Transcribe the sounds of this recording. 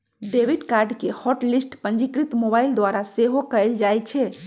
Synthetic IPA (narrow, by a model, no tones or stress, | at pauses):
ɖebiɖkaɾɖkehɔʈlisʈpənd͡ʒikɾit̪mobaild̪waɾaseɦokəjld͡ʒajt͡ʃʰɛ